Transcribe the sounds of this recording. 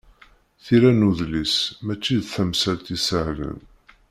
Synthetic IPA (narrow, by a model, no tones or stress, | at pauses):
θiɾænuðlismæt͡ʃːiðθæmsælt̪isəʕlə̰n